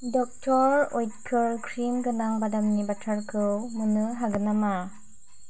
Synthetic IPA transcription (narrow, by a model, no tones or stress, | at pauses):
dɔk̚tʰɔɾojkʰɯɾkʰɾimɡɯnaŋbadamnibatʰaɾkʰɯwmɯnɯɦaɡɯnama